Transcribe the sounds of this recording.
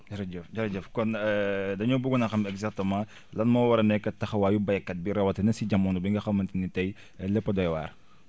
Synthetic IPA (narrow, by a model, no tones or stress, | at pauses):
d͡ʒɐɾɐd͡ʒɛfd͡ʒɐɾɐd͡ʒɛfkɔnɛdɐɲɔbuɡunɐxɐmɛɡzak̚tɐmãː | lɐnmɔwɐɾɐnɛkːɐtːɐxɐwaːjubɐjɐkːɐt̚biɾɐwɐtɐnɐsiɟɐmːɔnubiŋɡɐxɐmːɐntinitɐj | lɛpːɐdɔjwa̰ːr